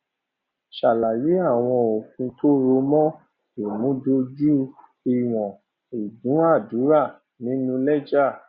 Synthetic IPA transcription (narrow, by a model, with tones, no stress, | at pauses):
ʃa˨la˨ji˨˦a˦˨w̃ɔ̃˧o˨fũ˧to˦ɾo˧˦mɔ̃˦ | e˨mũ˨˦do˧d͡ʒu˦ | i˦˨w̃ɔ̃˨ | i˨dũ˨˦a˦˨du˨˦ɾa˦˨ | nĩ˨˦nũ˧lɛ˦d͡ʒa˦˨